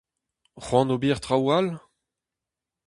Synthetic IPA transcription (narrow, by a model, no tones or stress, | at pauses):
χwɑ̃nobiːʁt̪ʁawal